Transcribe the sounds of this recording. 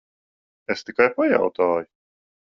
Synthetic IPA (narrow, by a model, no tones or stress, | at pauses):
est̪ikajpaja̰wt̪aːju